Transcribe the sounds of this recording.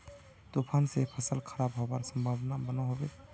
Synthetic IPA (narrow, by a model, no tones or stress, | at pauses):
t̪opʰansepʰəsəlkʰəɾabɦobaɾsəmbʱabnabənaɦobe